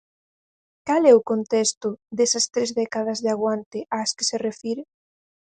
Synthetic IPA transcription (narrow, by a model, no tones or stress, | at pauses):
kalɛʊkont̪ɛst̪ʊd̪ɛsɐst̪ɾezðɛkaðɐzðeaɣwant̪ɪʔaːskɪ̥serefiɾe